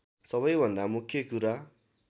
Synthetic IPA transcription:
sʌβʌjbʱʌnd̪amukʰjʌkuɾa

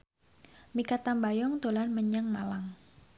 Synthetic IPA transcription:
mikat̪ambajɔŋt̪olanməɲaŋmalaŋ

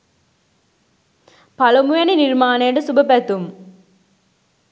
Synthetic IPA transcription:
pɐlɐmujɐniniɾmaːneːɳɖɐsubɐpɐt̪ːum

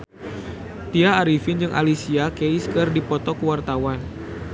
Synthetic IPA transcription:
t̪iaːɾifind͡ʒɨŋʔa̰lisiakeiskərdipɔt̪ɔkəwart̪awan

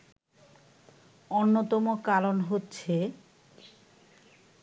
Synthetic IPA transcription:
onːot̪ɔmokalonɦotːɕʰe

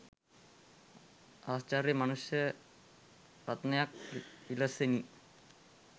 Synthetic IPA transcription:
aːst͡ɕaɾjɐmɐnusjɐ | ɾɐt̪nɐjak̚ilɐseni

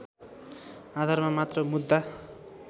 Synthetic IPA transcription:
ad̪ʱarmamat̪rʌmud̪ːa

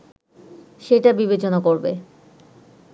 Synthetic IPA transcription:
ʃeʈabibet͡ɕonakoɾbḛ

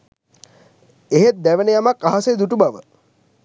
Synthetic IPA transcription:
eɦet̪̚d̪æʋənəjamakːaɦased̪uʈubaʋə

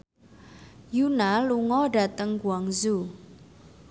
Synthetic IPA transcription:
junaluŋɔɖa̤t̪əŋɡwaŋzu

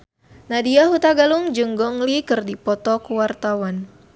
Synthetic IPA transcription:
nadiaɦut̪aɡaluŋd͡ʒɨŋɡɔŋlikɨrdipɔt̪ɔkuwart̪awan

